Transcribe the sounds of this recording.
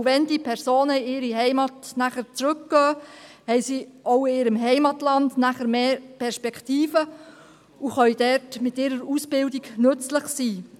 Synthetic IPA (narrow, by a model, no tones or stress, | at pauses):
vɛnd̥ipʰɛɾsoːnəɪɪːɾiɦɛɪmɑtnæχəɾt͡sɾʏkɡ̥œːhɛjsiːʔoʊɪːɾəmɦɛɪmɑtlɑndnæχəɾmeːɾpʰɛɾspɛkχtiːfə | uχœɥd̥ɛɾtmɪtɪːɾəɾusb̥ɪldiɡnɵt͡sləχsiː